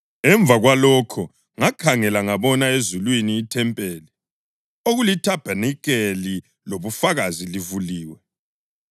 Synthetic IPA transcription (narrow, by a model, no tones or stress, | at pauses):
ɛɱb̪vʱaɣwalɔkʰɔ | ŋakʰaŋɛlaŋaβɔnaezulwiniːtʰɛmpʼeːli | oɣulitʰab̥ʱanik̬ʼeli | loβufaɣazilivuliːwɛ